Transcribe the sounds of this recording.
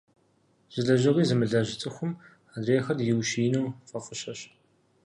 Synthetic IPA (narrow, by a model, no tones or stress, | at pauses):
z̥ɨɮɐʒɐʁiːzɨmɨɮɐʒɪt͡sʼɨxʷʊm | adreːxɐdjɪwʃiːnuwfʼɐfʼɨɕɐɕ